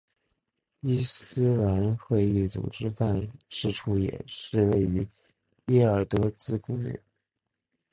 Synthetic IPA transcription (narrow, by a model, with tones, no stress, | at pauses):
i˥sɹ̩˥la˧˥nxwe˥˧ɪy˥˩t͡sṵ˨˩ʈ͡ʂɻ̩˥fa˥˧nʂɻ̩˥˩ʈ͡ʂʰu˥jɛ̰˨˩ʂɻ̩˥˧we˥˩ɪy˧˥ | ɛ˥˩ə˞˨˩t̪ɤ˧˥t͡sɹ̩˥kʊ˥ŋnḭ˥˩˦